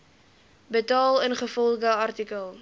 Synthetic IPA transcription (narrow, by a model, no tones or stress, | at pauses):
bətɑːlˠənχəfɔlˠɡəɐrtikəlˠ